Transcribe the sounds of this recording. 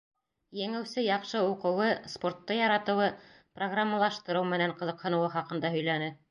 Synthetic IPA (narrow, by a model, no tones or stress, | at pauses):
jɘ̆ŋɘwsɘjɑqʃɤuqɤ̆wɤspo̞rt̪ːɤjɑɾɑt̪ɤ̆wɤ | proɡramːalˠɑʃt̪ɤ̆ɾɤwmɘ̆næɴqɤ̆ðɤ̆qhɤ̆nɤ̆wɤχɑqɤ̆nd̪ɑhɵ̆jlænɘ